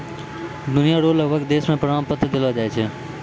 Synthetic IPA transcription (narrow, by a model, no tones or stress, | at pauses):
d̪ʊnijaɾoləbʱəkd̪esmẽpɾəɳampət̪ːɾəd̪elʋad͡ʒaɛt͡ʃʰe